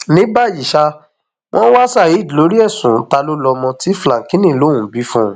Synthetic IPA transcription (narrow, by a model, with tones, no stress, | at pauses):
nĩ˨˦ba˦˨ji˨ʃa˧ | w̃ʔɔ̃˦wa˦sa˦˨ji˨˦˨di˨lo˨˦ɾi˦ɛ˦˨sũ˨˦ta˧lo˦lɔ˧mɔ̃˧ti˨˦flã˨kĩ˦nĩ˦˨lo˨˦ũ˨bi˨˦fũ˦